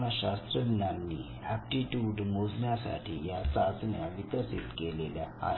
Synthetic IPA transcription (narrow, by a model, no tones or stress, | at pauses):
naɕast̪ɾənːanːiː | æp̚ʈiʈjuɖmod͡znjasa̰ʈʰḭːjat͡sad͡znjaʋik̪əsḭt̪kelelja̰a̰